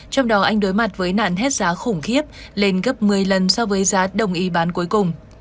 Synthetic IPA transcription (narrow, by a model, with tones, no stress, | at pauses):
t͡ɕɔ˧wŋ͡mɗɔ˨˦ʔa˧jŋ̟ɗo˨˦jma˨˩t̚vəː˨˦jna̰ː˧˨nɦɛ˦˥t̚zaː˨˦xʊ˧˩ŋ͡mxi˦˥əp̚le˧nɣə˦˥p̚mɨ˨˩əjlə˨˩nsɔ˧vəː˨˦jzaː˨˦ɗə˨˩wŋ͡mʔi˨˦ɓaː˨˦nku˨˦jkʊ˨˩ŋ͡m